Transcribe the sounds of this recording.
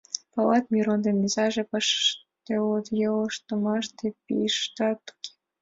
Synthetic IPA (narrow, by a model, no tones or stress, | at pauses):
pɑlɑt̪mʲiɾond̪emːʲizɑʒepɑʃt̪eot̪jeloʃt̪omɑʃt̪epḭʃt̪ɑt̪ːu̥kʲe̥